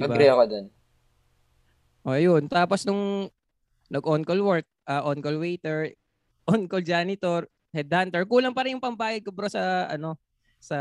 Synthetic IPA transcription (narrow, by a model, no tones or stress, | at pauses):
ɐɡbaɾɛɐkod͡ʒɐn | ʔojʊnt̪aːposnʊŋ | nɐɡʔonkolwɛɹk̪̚ʔɐʔonkolwejt̪ɛɹ | ʔonkold͡ʒaːnɪt̪oɾ | hɛd̪hant̪ɛɹkuːlɐŋpɐɾɪnjʊŋpɐmbaːjɐd̪̚kobɾosɐʔɐno̞ | sɐ